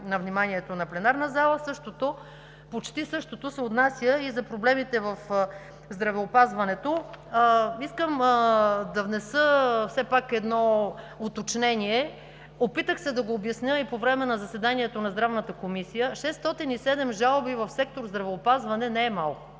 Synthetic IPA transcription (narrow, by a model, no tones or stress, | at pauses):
nɐvnimaniɛt̪onɐplɛnaɾnəzalˠəsɤʃt̪ot̪o | pot͡ʃt̪isɤʃt̪ot̪osɛot̪nasʲjəizɐpɾoblɛmit̪ɛvɐf | zd̪ɾɐvɛopazvɐnɛt̪o | iskəm | d̪ɐvnɛsəfsɛpakɛd̪nɔ | ot̪ot͡ʃnɛniɛ | opit̪əxsɛd̪ɐɡoːbjɐsnʲəipovɾɛmɛnɐzɐsɛd̪aniɛt̪onɐzd̪ɾavnət̪əkomisijəʃɛst̪ɔt̪inisɛd̪ɛmʒalˠbivɐfsɛk̚t̪oɾzd̪ɾɐvɛopazvɐnɛnɛɛmalˠko